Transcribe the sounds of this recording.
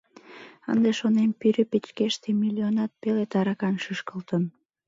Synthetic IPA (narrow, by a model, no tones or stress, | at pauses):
ə̰nd̪eʃonempyɾøpet͡ɕkeʃt̪emilʲːionɑt̪̚pelet̪ɑɾɑkɑnʃyʃkəlt̪ən